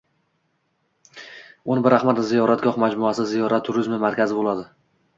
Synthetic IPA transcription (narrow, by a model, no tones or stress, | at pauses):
ʊnɪbɪɾaχmat̪zijɒɾat̪ɡʲɒhmad͡ʒmʊasɪzijɒɾat̪ʰːʊɾɪzmɪmaɾkʲʰazɪbolˠad̪ɪ